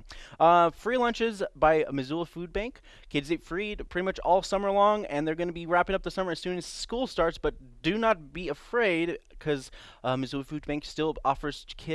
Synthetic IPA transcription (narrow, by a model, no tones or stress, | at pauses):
ʌfɹilʌ̃nt͡ʃɪzbaɪmɨzulˠfud̚bæ̃ŋkʰ | ɪdzeɪtfɹidpʰɹ̥ɪɾimʌt͡ʃɔlˠsʌmə˞lɔ̃ŋɨ̃nðə˞ɡõʊnɨbiɹæpɪ̃ŋʌp̚ðəsʌmə˞ɨz̥sʉ̃nɨz̥skulˠstɑɹtsb̥ʌt̚d̥ɨnət̚b̥iɨfɹeɪd̚kʰʌz̥ | mɨzʉlˠfʉd̚bæ̃ŋkstɪlˠɔfə˞z̥kʰɪ